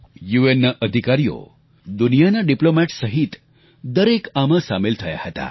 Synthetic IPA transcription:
juenːaʔəd̪ʱikaɾijo̰ | d̪unijanaɖiplomɛʈsəɦit̪ | d̪əɾekamə̃samelt̪ʰəja̰hət̪a̰

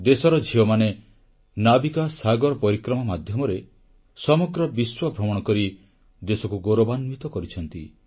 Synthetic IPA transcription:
d̪esɔɾɔd͡ʒʱiɔmane | nabikasaɡɔɾɔpɔɾikɾɔmamad̪ʱjɔmɔɾe | sɔmɔɡɾɔbiswɔbʱɾɔmɔɽ̃ɔkɔɾi | d̪esɔkuɡoɾobanmit̪ɔkɔɾit͡ʃʰɔnt̪ḭ

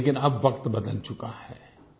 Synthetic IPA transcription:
kɪnɐbʋɐkt̪bɐd̪əlt͡ʃʊkahɛː

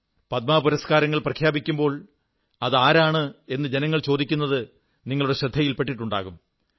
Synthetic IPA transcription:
pɐt̪̚maːpuɾɐskaːɾɐŋːɐɭprɐkʰjaːbikʲːumbo̞ːɭ | ɐðaːɾaːɳɨe̞nːɨd͡ʑenɐŋːɐɭt͡ɕoːd̪ikʲːunːɐðɨ | niŋːɐɭuɽe̞ɕrɐd̪ʱːɐjilpe̞ʈːiʈːuɳɖa̰ːɣum

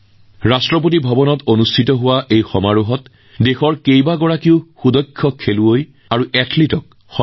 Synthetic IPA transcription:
ɹastɹɔp̬ot̬ibʱɔbɔnɔtonustʰitɔɦʊwaʔejxɔmaɹuɦɔt | dexɔɹkejbaɡɔɹakiʊxudɔjkʰːɔkʰːeluoj | aɹuʔɛtʰlitɔk̚ | xɔ

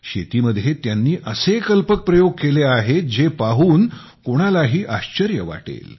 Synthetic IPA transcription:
ɕet̪iːməd̪ʱjet̪janːiːʔəsekəlpək̚pɾəjoɡ̚keleaɦed͡ʑepaɦuːn | koɽ̃alaɦiːʔaɕt͡ɕəɾjəʋa̰ʈḛl

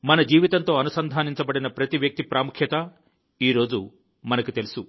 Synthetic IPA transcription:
mɐnɐd͡ʒiːʋit̪ɐnt̪o̞ːɐnusɐnd̪ʱaːniɲt͡ʃɐbɐɽinɐpɾɐt̪iʋjɐk̚t̪ipɾaːmukʰjɐt̪ɐ | iːɾo̞ːd͡ʒu | mɐnɐkit̪e̞lusu

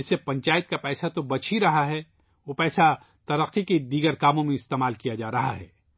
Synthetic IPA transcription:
ɪsːepɐ̃ɲt͡ʃaːjɪt̪̚kapɛːsat̪obɐt͡ʃʰiɾɐɦaɦɛ | ʋopɛːsa | t̪ɐɾəqːiked̪iːɡəɾkaːmõmẽɪst̪eːmaːlkijad͡ʒaːɾɐɦa̰ɦɛ̰ː

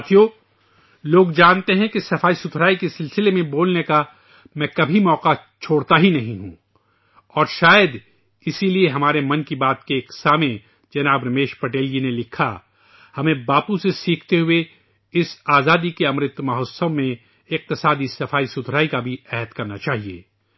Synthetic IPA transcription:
t̪ʰijo | loːɡd͡ʒaːnt̪eɦɛ̃kesɐfaːisʊd̪ʰʱɾaːikesɪlsɪlemẽboːlneka | mɛ̃ːkɐbʱimɔːqat͡ʃʰoːɽt̪aɦinɐɦĩɦṵ̃ | ɔːɾʃaːjəd̪ | ɪsilieɦɐmaːɾemɐ̃nkibaːt̪keːksaːmẽ | d͡ʒɐnaːbɾɐmeːʃpɐʈeːld͡ʒinelɪkʰa̰ | hɐmẽbaːpusesiːkʰt̪eɦʊe | ɪsaːzaːd̪ikeɐmɾɪt̪mɐɦosəʋmẽ | ɪq̚t̪ɪsaːd̪isɐfaːisʊt̪ʰɾaːikabʱiɛːɦət̪kɐɾnat͡ʃaːɦiḛː

